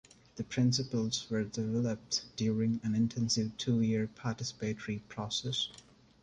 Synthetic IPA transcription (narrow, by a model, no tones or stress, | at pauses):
ðəpʰɹɪ̃nsɪpəlˠzwə˞dɪvɛləp̚td̥juːɹɪ̃ŋæ̃nɪ̃ntʰɛ̃nsɪvtʰuːjiɹpʰatɪsɪ̥peɪtəɹipʰɹ̥ɔsɛs